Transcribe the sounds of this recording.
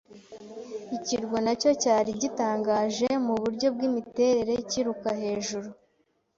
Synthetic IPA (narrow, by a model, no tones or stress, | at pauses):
iciɾɡonaco̞caːɾiɟitaːŋɡaːʒe̞muβuɾɟo̞b̚ɡimite̞ːɾe̞ɾe̞ciɾukaɦe̞ːʒuɾu